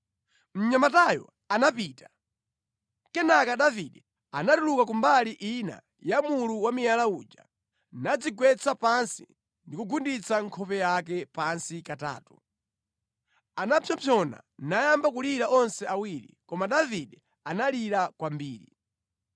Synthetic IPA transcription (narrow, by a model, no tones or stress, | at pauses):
m̩ɲamatajɔ̰ | anapiːtḁ | kɛnakaɗaviɗɛ | anadulukakumbaliʔina̰ | jamuluwamijalaud͡ʒa̰ | nad͡ziɡwɛt͡sapansḭ | ndikuɡundit͡saŋkʰɔpɛjak̬ɛpansikata̰ːtu̥ | anapʰjɔpʰjɔna̰najambak̬uliɾaʔɔnsɛawiɾḭkɔmaɗaviɗɛ | analiɾakwambiːɾḭ